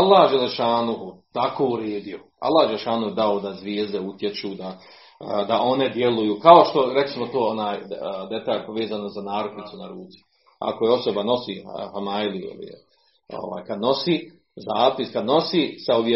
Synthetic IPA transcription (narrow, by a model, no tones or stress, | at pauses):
alˠːaːhd͡ʒeleʃaːnuɦut̪akoːuɾeːd̪io̞ | a̰lːaːhd͡ʒeleʃaːnuhud̪aod̪azʋjeːzd̪eut̪jet͡ʃuːd̪a | d̪aʔo̞ne̞d̪jelujuːkao̞ʃt̪o̞ɾek̪lismot̪oːonaːjd̪e̞t̪aːlpoʋe̞ːzanozanaːɾoknit̪sunaɾuːt̪si̥ | a̰kojeo̞so̞bano̞siːhamajlio̰lḭ | o̰ʋa̰ːjkad̪no̞siː | zaːpiskad̪no̞siːsaobj